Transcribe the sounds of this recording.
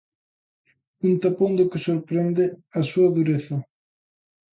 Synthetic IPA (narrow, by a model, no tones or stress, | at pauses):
unt̪apond̪okɪsoɾpɾɛnd̪ɪasuɐðuɾeθɐ